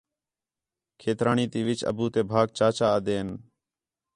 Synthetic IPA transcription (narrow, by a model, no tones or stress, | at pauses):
kʰeːt̪ɾaːɳiːt̪iːʋɪt͡ʃə̰buːt̪eːbʱaːɡ̚t͡ʃaːt͡ʃaːd̪eːn